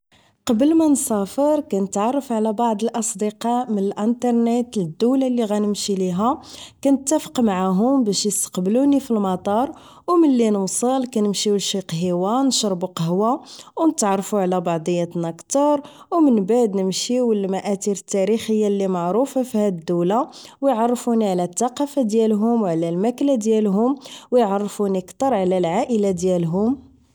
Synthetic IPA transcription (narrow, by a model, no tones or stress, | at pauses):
qɑbəlmænsæfəɾˤkænət̪ʕɑrˤːɑfʕlæbɑʕd̪ˤəlʔɑsˤd̪əqɑmənəlʔənt̪ɑɾˤnet̪ləd̪ːuwlalːiɣænəmʃiliɦækænət̪ːæfə̥qmaʕaɦʊmbæʃjəst̪ə̥qbəlunifilmɑt̪ˤɑɾˤ | wməlːinəwsˤəlkænəmʃiwlʃiqɦiwanʃɾˤːbuqɑhwawnət̪ʕɑrˤːfuʕlæbɑʕd̪ˤəjːæt̪nækt̪ɑɾˤ | wmənbaʕd̪nəmʃiwəlmæʔæt̪iɾət̪ːæɾixəjːalːimɑʕɾufafihæd̪əd̪ːəwlawjʕɑrˤːfuniʕlæt̪ːɑqɑfad̪jælɦʊmwʕlælmæklad̪jælɦʊmwjʕɑrˤːfunikt̪ɑɾˤʕlælʕaʔəlad̪jælɦʊm